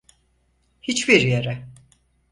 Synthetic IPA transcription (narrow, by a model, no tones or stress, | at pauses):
hit͡ʃbiɾjeɾɛ